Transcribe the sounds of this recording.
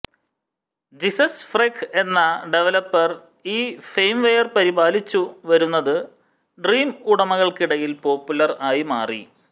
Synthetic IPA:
d͡ʑisɐsfrekʰe̞nːɐɖe̞ʋɐlɐpːɐr | iːfejmʋejɐrpɐɾibaːlit͡ɕːuʋɐɾunːɐðɨ | ɖriːmuɽɐmɐɣɐɭkiɽɐjilpo̞ːpːulɐraːjimaːrḭ

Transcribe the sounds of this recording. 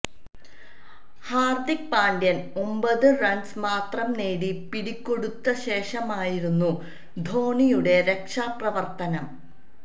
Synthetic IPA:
haːrd̪ik̚paːɳdjɐnombɐðɨrɐnsmaːt̪rɐmneːɽipiɽikʲːo̞ɽut̪ːɐɕe̞ːʂɐmaːjiɾunːu | d̪ʱo̞ːɳijuɽe̞ɾe̞kʂaːprɐʋɐrt̪ɐnɐm

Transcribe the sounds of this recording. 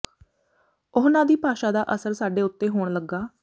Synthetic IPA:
ʊɦnãːd̪iːpaːʃaːd̪aːʔəsəɾsaːɖeːʊt̪ːeːɦoːɳləɡːaː

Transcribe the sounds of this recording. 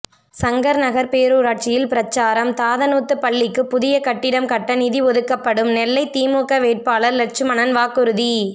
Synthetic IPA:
sɐŋɡɐɾnɐɣɐɾpeːɾuːɾaːʈ̚t͡ʃɪjɪlpɪɾɐt͡ʃːaːɾɐmt̪aːðɐnuːt̪ːɯpɐɭːɪkːɯpːʊðɪjɐkɐʈːɪɽɐmkɐʈːɐnɪðiʋɔðɯkːɐpːɐɽɯmnɛlːɐɪt̪iːmuːkɐʋeːʈ̚paːlɐɾlɛʈ̚t͡ʃɯmɐnɐnʋaːkːɯɾɯði

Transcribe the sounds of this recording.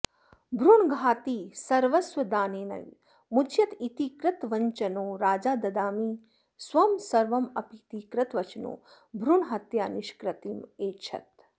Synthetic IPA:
bʱɾuɳɡʱaːt̪iːsɐɾʋɐsʋɐd̪aːneːnɐ̰ | mut͡ʃʰjɐt̪it̪ikɾɐt̪ʋɐɲt͡ʃɐnoːɾaːd͡ʒaːd̪ɐd̪aːmiː | sʋɐmsɐɾʋɐmɐpit̪iːkɾɐt̪ʋɐt͡ʃno̰ː | bʱɾuɳɦɐt̪jaːniʃkɾɐt̪imeːt͡ʃʰɐ̰t̪̚

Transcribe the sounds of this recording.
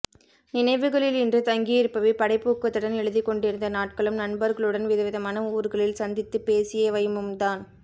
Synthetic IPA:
nɪnɐɪʋɯɣɐɭɪlɪndrɯt̪ɐŋɡijɪɾpːɐʋɐpɐɽɐɪpːuːkːɐt̪ːɪɽɐnɛɻɯðɪkːɔɳɖɪɾɯnd̪ɐnaːʈ̚kɐɭɯmnɐnbɐɾɣɐɭɯɽɐnʋɪðɐʋɪðɐmaːnɐuːɾɣɐɭɪlsɐnd̪ɪt̪ːɯpeːsɪjeːʋɐjɯmɯmd̪aːn

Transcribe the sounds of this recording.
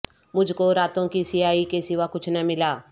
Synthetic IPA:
mʊd͡ʒʱkoɾaːt̪õkisɪaːikesɪʋakʊt͡ʃʰnamɪlaː

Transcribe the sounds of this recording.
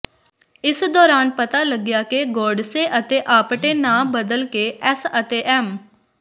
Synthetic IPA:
ɪsd̪ɔːɾaːnpət̪aːləɡɪjaːkeɡɔːɖseːʔət̪eːʔaːpʈeːnãːbəd̪əlkeːʔɛsət̪eːʔɛːm

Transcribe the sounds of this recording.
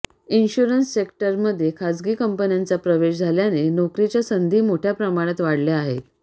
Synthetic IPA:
inɕuɾənsːekʈəɾməd̪ʱːjekʰad͡zɡiːkəmpənjant͡sapɾəʋeɕd͡zʱaljanenokɾit͡ɕjasənd̪ʱiːmoʈʰjapɾəmaɽ̃at̪ʋaɽljaaɦet̪

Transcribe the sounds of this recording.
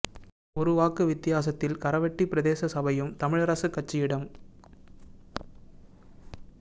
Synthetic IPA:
ɔɾɯʋaːkɯʋɪt̪ːɪjaːs̬ɐt̪ːɪlkɐɾɐʋɐʈːipɪɾɐðeːsɐsɐbɐjɯmt̪ɐmɪɻɐɾɐsɯkːɐʈ̚t͡ʃːɪjɪɽɐm

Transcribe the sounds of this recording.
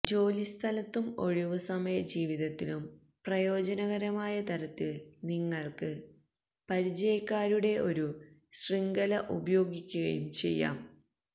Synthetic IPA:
d͡ʑo̞ːlist̪ʰɐlɐt̪ːumo̞ɻiʋɨsɐmɐjɐd͡ʑiːʋiðɐt̪ːilum | prɐjo̞ːd͡ʑɐnɐɣɐɾɐmaːjɐt̪ɐɾɐt̪ːilniŋːɐɭkɨ | pɐɾit͡ɕɐjɐkːaːɾuɽe̞o̞ɾuɕriŋɡɐlɐʔubɐjo̞ːɡikʲːuɣɐ̰jṵmt͡ɕe̞̰jːa̰ːm

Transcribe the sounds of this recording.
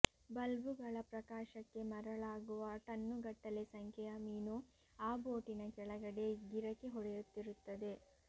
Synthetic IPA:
bɐlʋuɡɐɭɐpɾɐkaːʃɐkːe̞mɐɾɐɭaːɡuʋɐʈɐnːuɡɐʈːɐlesɐŋkʰɛjɐmiːnu | aːboːʈinɐkɛɭɐɡɐɽe̞ɡiɾɐkːeɦɔɽejut̪ːiɾut̪ːɐd̪e̞

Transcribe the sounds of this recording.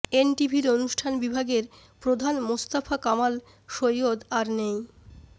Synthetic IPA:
enʈibʱiɾonuʃʈʰanbibʱaɡeɾ | pɾod̪ʱanmost̪afakamal | ʃojod̪aɾnej

